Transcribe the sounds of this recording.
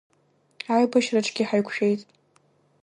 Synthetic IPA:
ajbaʃraʈ͡ʂʰʼɡ̥ʲiħajkʷʰʃᶣe̞jtʼ

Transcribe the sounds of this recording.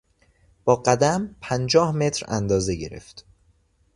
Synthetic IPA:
b̥ɒːɢæd̪æmpʰænd͡ʒɒːhme̞t̪ʰɾæ̰nd̪ɒːze̞ɟe̞̰ɾe̞̰ft̪

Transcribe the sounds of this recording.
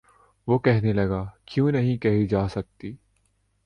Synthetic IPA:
ʋokɛɦnelɐɡaːkjõːnɐɦĩkɐɦid͡ʒaːsɐk̚t̪iː

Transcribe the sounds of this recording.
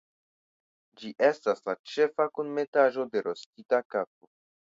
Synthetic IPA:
d͡ʒiʔe̞staslat͡ʃe̞fakunme̞taʒo̞de̞ɾo̞stitakap̚o

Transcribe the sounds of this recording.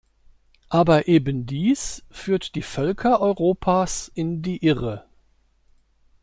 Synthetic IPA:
ʔaːbɐʔeːbəndiːsfyːɐtd̥iːfœlkʰɐʔɔʏʁoːpʰaːsʔɪndiːʔɪʁə

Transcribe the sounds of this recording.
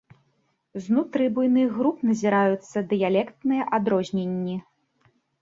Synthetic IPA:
znut̪ɾɨbujnɨɣɾupnɐzʲiɾajut̪sːɐd̪ɨjalʲɛkt̪nɨjɐʔad̪ɾɔzʲnʲenʲːi

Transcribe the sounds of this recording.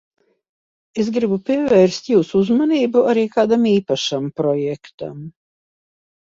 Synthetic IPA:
esɡɾibupʲiɛvɛːɾst̪juːsuuzmaniːbuaɾiːkaːd̪amiːpaʃampɾɔjɛkt̪a̰m

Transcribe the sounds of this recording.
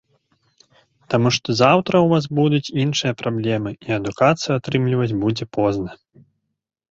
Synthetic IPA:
t̪amuʂt̪ɔzawt̪ɾɐwvasbud̪ut͡sʲinʂɨjɐpɾablʲɛmɨiɐd̪ukat̪sɨjuat̪ɾɨmlʲivɐt͡sʲbud͡zʲɛpɔznɐ

